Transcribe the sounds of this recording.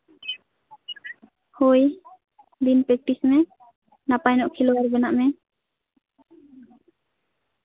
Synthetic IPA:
hoj | d̪inpɾɛk̚ʈismɛ | napajnɔʔkʰilɔaɾbɛnaʔmɛ

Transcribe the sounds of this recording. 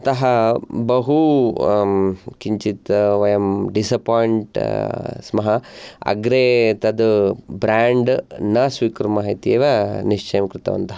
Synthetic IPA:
t̪ɐɦɐbɐɦu | kiɲt͡ʃit̪ʋɐjɐmɖisɐpaːjɳʈsmɐɦɐɐ̰ɡɾeːt̪ɐd̪bɾaːɳɖnɐsʋiːkɾumaːɦit̪ieːʋɐniʂt͡ʃʰɐjɐmkɾɪt̪ɐ̰ʋɐ̰nt̪ɐɦɐ

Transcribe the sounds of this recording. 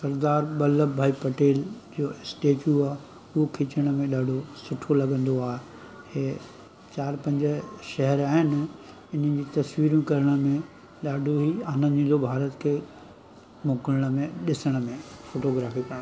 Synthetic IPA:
sɐɾd̪aːɾbɐləbbʱaːipɐʈeːld͡ʑoːɪsʈeːʈjuaːe | ʊɦokʰɪt͡ɕəɽ̃əmẽɗaːɖʱosʊʈʰolɐɡə̃nd̪oaːɦe | heː | t͡ɕaːɾpɐ̃ɲd͡ʑə̆ʃɐɦɛɾaːɦɪnɪ̆ | ɪn̤ə̃d͡ʑiːt̪ɐsʋiːɾjũkɐɾəɽ̃əmẽ | ɗaːɖʱoɦiːaːnənĩlobʱaːɾət̪kʰeː | moːkələɽ̃ə̆mẽɗɪsəɽ̃əmẽfoːʈoːɡɾaːfikɐ̃

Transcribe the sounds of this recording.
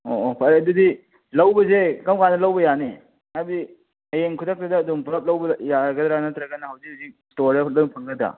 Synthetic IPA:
o̰opʰɐɾedudi | lɐwbɐzekɐmkandɐlɐwbɐjane | abi | ɐjeŋkʰudak̚tɐdɐːdumpʰɾɐp̚lɐwbɐjaɡɐdɾanɐt̪ɾɐɡɐnɐhɐwzikazik̚stoɾalɐdupʰɐŋɡɐd̪ɾa̰

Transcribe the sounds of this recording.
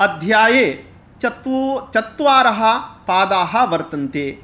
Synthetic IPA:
ɐd̪ʱjaːjeː | t͡ʃɐt̪t͡ʃɐt̪ːʋaːɾɐɦɐ̆paːd̪aːɦɐ̆ʋɐɾt̪ɐnt̪eː

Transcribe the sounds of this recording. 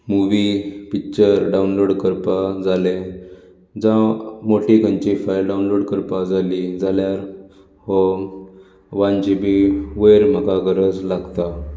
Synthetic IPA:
muʋipik̚t͡ɕəɾɖaunloɽkəɾpad͡zale | d͡zãmoʈikəɲt͡ɕifajlɖaunloɽkəɾpad͡zalid͡zaljaɾ | hɔ | ʋãnd͡ʑibiʋəjɾm̤əɡaɡəɾəd͡zlaɡt̪a

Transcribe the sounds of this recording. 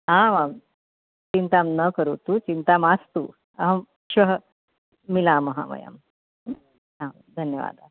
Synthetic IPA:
ɦãʋam | t͡ɕint̪amnəkəɾṵt̪uːt͡ɕint̪amast̪uː | ɐɦ | ɕʋɐɦə | milaːmɐɦa̰ːmɐ̰ja̰m | ɦã | d̪ʱənjəʋa̰ːd̪ʱa

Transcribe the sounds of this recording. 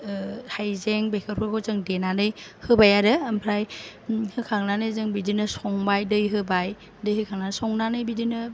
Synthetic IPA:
hajzeŋbekʰɯɾpʰɯɡɔzɯŋdenanɯjhɯbajaɾɯːmpʰɾajhɯkʰaŋnanɯjzɯŋbidinɯsɔŋbajdɯjɦɯbaj | dɯjɦɯkʰaŋnansɔŋnanɯjbidinɯ

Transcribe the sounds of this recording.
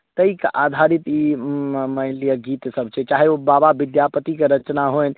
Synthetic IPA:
t̪əikeʔad̪ʱaɾit̪iməilijəɡit̪səbt͡ʃʰɛt͡ʃaɦeobababid̪japət̪ikeɾət͡ʃnaɦojn

